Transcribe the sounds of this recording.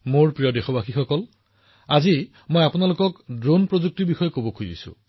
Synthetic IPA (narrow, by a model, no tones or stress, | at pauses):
moɹpɹijɔdexɔbaxixɔkɔl | azi | mojapunalʊkɔkdɹonpɹozuk̚tiɹbixɔjɔkobokʰuzḭsʊ̰̃